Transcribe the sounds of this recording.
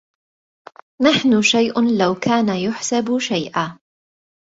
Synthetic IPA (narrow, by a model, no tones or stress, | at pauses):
naħnʊʃajʔʊlawkʰaːnajʊħsabʃajʔaː